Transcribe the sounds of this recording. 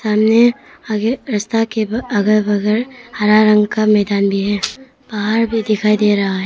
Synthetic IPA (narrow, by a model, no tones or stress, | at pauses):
samne | ɾɐst̪akebɐɡɐbɐɡeɾhɐɾaɾɐŋkamɛd̪anbiɦe | b̥aɦaɾbʱid̪ikʰajd̪eɾaɦaɦe